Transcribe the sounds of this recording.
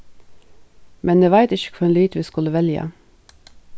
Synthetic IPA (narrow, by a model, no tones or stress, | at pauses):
mɛnd̪eːʋæɪt̪ɪʃə̥kʰfɔɛːnlyːt̪ʋiːskʉləʋɛljə̰